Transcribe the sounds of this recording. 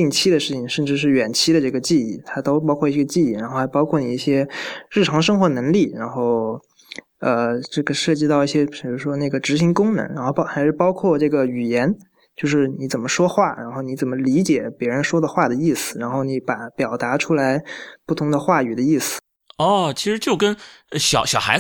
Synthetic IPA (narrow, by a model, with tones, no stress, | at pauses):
i˥˩ŋt͡ɕʰi˥d̪ə˨˧ʂɻ̩˥˩t͡ɕʰi˨˩ŋʂə˥˩˧nʈ͡ʂɻ̩˥˧ʂ̬ɻ̩˥˩ɥɛ˨˩nt͡ɕʰi˥ɾə˨ʈ͡ʂɤ˥˩ɡə˩t͡ɕi˥˧i˥˩t̪ʰa˥t̪o˥ʊp̬ɑ˥ʊkʰwɔ˥˩i˥˩ɡə˧t͡ɕi˥˧i˥˩ɻa˧˥nxo˥˩xɪpɑ˥ʊkʰwɔ˥˩ni˨˩i˥˩ɕjɛ˥ɻ̩˥˩ʈ͡ʂʰɑ˧˥ŋʂɤ˥ŋxwɔ˧˥nɤ˧˥ŋli˥˩ɻa˧˥nxo˥˩ʊ | ə˧ʈ͡ʂɤ˥˩ɡə˩ʂɤ˥˩t͡ɕi˥˧t̪ɑ˥˧i˥˩ɕjɛ˥pi˨˩ɻ̩˥˩ʂwɔ˥ne˥˩ɡə˩ʈ͡ʂɻ̩˧˥ɕi˧˥ŋkʊ˥ŋnə̰˧˥ŋɻa˧˥nxo˥˩ʊɑ˥xa˧˥ɪʂɻ̩˥˩pɑ˥ʊkʰwɔ˥˧ʈ͡ʂɤ˥˩ɡə˩y˨˩jɛ˧˥n | t͡ɕjo˥˧ʊʂɻ̩˥˩ni˧˥t͡sə˨˩nmə˦ʂwɔ˥xwa˥˩ɻa̰˧˥nxo˥˩ʊni˧˥t͡sə˨˩mə˦li˧˥t͡ɕjɛ˨˩˦pjɛ˧˥ɻə˧˥nʂwɔ˥d̪ə˨xwa˥˩d̪ə˩i˥˩sɹ̩˨˩ɻa˧˥nxo˥˩ʊni˧˥pa˨˩pjɑ˨˩ʊt̪a˧˥ʈ͡ʂʰu˥la˧˥ɪpu˥˩t̪ʰʊ˧˥ŋd̪ə˧xwa˥˩y˨˩d̪ə˦i˥˩sɹ̩̥˨˩ | ɔ˥˩t͡ɕʰi˧˥ʂɻ̩˧˥t͡ɕjo˥˩ʊkə˥n˧˩ɕjɑ˨˩ʊɕjɑ˨˩ʊxa˧˥